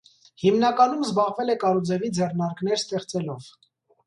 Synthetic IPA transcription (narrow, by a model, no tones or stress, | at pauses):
himnɑkɑnumzbɑʁvɛlɛkɑɾud͡zɛvid͡zɛrnɑɾknɛɾst̪ɛχt͡sɛlɔv̥